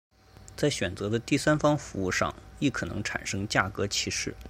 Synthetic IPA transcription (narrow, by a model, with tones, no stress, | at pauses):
t͡sa˥˩ɪɕɥɛ˨˩nt͡sɤ˧˥d̪ə˧t̪i˥˩sa˥nfɑ˥ŋfu˧˥ṵ˥˧ʂɑ̰˥˧ŋi˥˩kʰɤ˨˩nɤ˧˥ŋʈ͡ʂʰa̰˨˩nʂɤ˥ŋt͡ɕja˥˩kɤ˧˥t͡ɕʰi˧˥ʂɻ̩˥˩